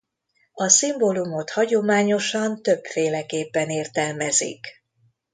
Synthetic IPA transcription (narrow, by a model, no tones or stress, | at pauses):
ɒsimboːlumo̞t̪hɒɟo̞maːɲo̞ʃɒnt̪ø̞pfeːlɛkeːpːɛneːrt̪ɛlmɛzḭk